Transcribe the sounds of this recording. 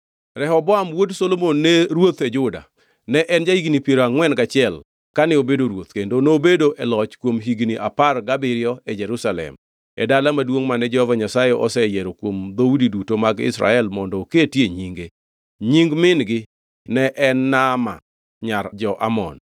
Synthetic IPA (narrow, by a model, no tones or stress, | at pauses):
ɾɛhɔbɔamwodsolomonːeɾwot̪ɛd͡ʒʊda̰ | nɛʔɛnd͡ʒaiɡnipjeɾoaŋwɛnɡat͡ʃɪɛl | kanɛobedoɾwot̪kendonoːbedoʔɛlɔt͡ʃkwomɦiɡniʔaparɡabɪɾɪɔɛd͡ʒɛɾusalɛ̰m | ɛ̰dalamadwoŋmanɛd͡ʒɔhɔvaɲasajɛʔɔsɛjeɾokwomd̪audidutomaɡɪ̰sɾa̰ɛlmɔndɔketjeɲiŋɡe | ɲiŋɡmɪnɡɪ | nɛʔɛnːama̰ | ɲaɾd͡ʒɔʔa̰mɔ̰n